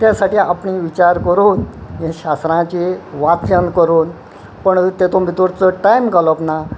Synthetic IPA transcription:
t̪jasaʈiːapɳiʋit͡ɕaɾkəɾuːnɦẽɕast̪ɾãt͡ɕiʋat̪ɾənkəɾuːn | pəɳt̪et̪omit̪uɾt͡səʈajmɡaləpna

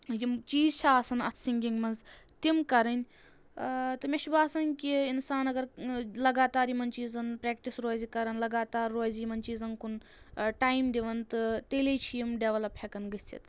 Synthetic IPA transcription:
jimt͡ʃiːzt͡ʃʰɐaːsɐnɐt̪ʰsiŋɡiŋɡmɐnz | t̪imkɐɾɐnʲ | t̪ɨmeʃʰibaːsɐnkiinsaːnɐɡɐɾlɐɡaːt̪aːɾimɐnt͡ʃiːzɐnpɾeːkʈisɾoːzikɐɾɐnlɐɡaːt̪aːɾːoːzjimɐnt͡ʃiːzɐnkun | ʈaːjmd̪iʋɐnt̪ɨt̪əlet͡ʃʰijimɖeʋɐlɐppʰʲekɐnɡɨt͡sḭt̪

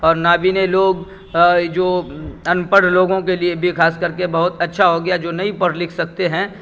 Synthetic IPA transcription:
ɔːɾnaːbʱineloːɡ | d͡ʒoːɐnpəɽ̤loːɡõkeliebʱixaːskɐɾkebɐɦʊt̪ɐtːʃʰaɦoɡɐjad͡ʒoːnɐĩpɐɽlɪkʰsɐk̚t̪eɦɛ̃ː

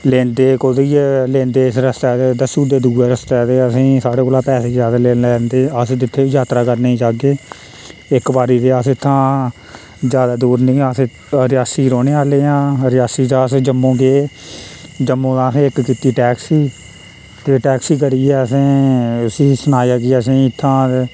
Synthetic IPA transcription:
leːnd̪eːkoːd̪iːlẽːnd̪eːɪsɾəst̪aːt̪eːd̪əsuːd̪eːd̪uːɾeːɾəst̪ɛːt̪eːəsĩːsaːɽeːkoːlaːpɛːseːd͡ʒjaːd̪aːleːnlɛːnd̪eːəsĩːd̪ɪt̪ʰːeːʋiːd͡ʒaːt̪ɾaːkəɾneːĩːd͡ʒaːɡeː | ɪkʋaːɾiːd̪eːəsɪt̪ʰːãː | d͡ʒjaːd̪aːd̪uːɾnĩːas | ɾɪjaːsiːɾoːneːaːleːãːɾɪjaːsiːt̪ãːsd͡ʒəmːõːkeː | d͡ʒəmːõːd̪ãːəsĩːɪkkiːt̪iːʈɛːksiː | t̪eːʈɛːksiːkəɾiːɛːəsẽːsĩːsʊnaːjaːɡiːəsĩːɪt̪ʰːãː

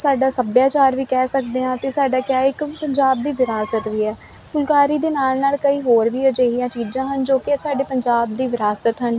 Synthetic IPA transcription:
saːɖaːsəbjaːt͡ʃaːɾʋiːkɛːsək̚d̪eːãːt̪eːsaːɖaːkjaːɪkpəɲd͡ʒaːb̚d̪iːʋɪɾaːsət̪ʋiːɛː | pʰʊlkaːɾiːd̪eːnaːlnaːlkəiːɦoːɾʋiːəd͡ʒeːɦɪjãːt͡ʃiːd͡ʒãːɦənd͡ʒoːkɪsaːɖeːpəɲd͡ʒaːb̚d̪iːʋɪɾaːsət̪ɦən

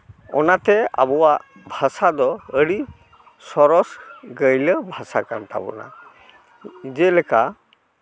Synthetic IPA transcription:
ɔnat̪ɛa̰bɔwaʔ | bʱasad̪ɔəɽi | sɔɾɔsɡəjləbʱasakanʈ̪a̰bɔ̰na̰ | d͡ʒɛlɛka

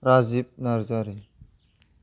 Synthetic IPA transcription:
ɾaːzip̚nɐɾzaɾi

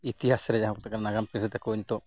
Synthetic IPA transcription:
it̪iɦasɾɛd͡ʒaɦɔk̚t̪akanaɡampiɾɾʰɛt̪ɛkoɲt̪ɔ

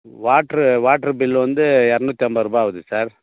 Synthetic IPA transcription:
ʋaːʈɾɯʋaːʈɾɯbɪlːʋɐnd̪ɯɛɾɐnut̪ːjɐmbɐɾuːbaːʋɐðɯsaːɾ

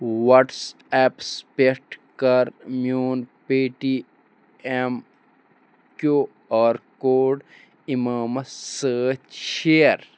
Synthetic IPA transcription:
wɐʈs | ɛːpspeɾʈkɐɾmjuːnpiːʈi | em | koː | ɔːɾkoːɖ | imaːmɐsəːt͡ʃʃeːɐɾ

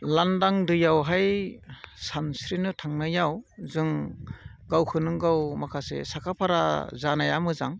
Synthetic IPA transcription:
landaŋdɯjawɦaj | sansɾinɯtʰaŋnajawzɯŋ | ɡawkʰɯnɯŋɡawmakʰasḛsakʰapʰaɾazanajamɯzaŋ

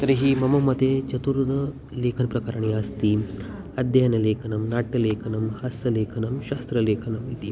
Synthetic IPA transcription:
t̪ɐɾɦiːmɐmɐmːɐt̪et͡ʃɐt̪uɾt̪ɐ | leːkʰɐnpɾɐkaɾaɳ̃iɐst̪iː | ɐd̪janɐleːkʰɐnɐmnaːʈːɐleːkʰɐnɐmhɐsɐleːkʰɐnɐmɕaːst̪ɾɐleːkʰɐnɐmit̪i

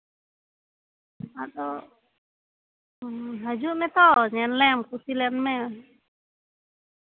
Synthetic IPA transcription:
aɗɔ | ɦad͡ʒumɛt̪ɔɲɛnlɛmkusilɛnmɛ

